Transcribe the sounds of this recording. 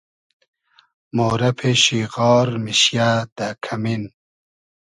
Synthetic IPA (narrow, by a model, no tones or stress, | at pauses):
moːɾɐpʰeɕiɣɑːɾmiɕjaːd̪̥akʰɐmin